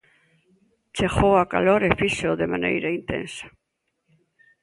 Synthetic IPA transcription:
t͡ʃexowaka̰loɾefiseoðemanḛjɾaint̪ḛ̃nsḁ

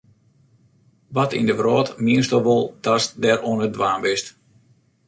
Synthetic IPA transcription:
ʋɔtḭndəvrɔːtmiəstɔʋolˠtasdɛɾonədʋaːmbɪst

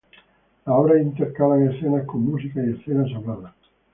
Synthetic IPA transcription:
aɔɾaint̪eɾkalaŋesθenakomːus̬ikaiesθenaʃoβlaða

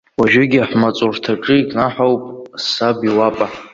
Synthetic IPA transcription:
waʒᶣʊɡʲiaħmat͡sʼurtʰaʈ͡ʂʼɨikʼnaħawpʼsabiwapʼa

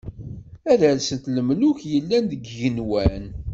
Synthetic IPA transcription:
æðəlsənt̪ləmlʊçjəlːænd̪əɡʝənwæn

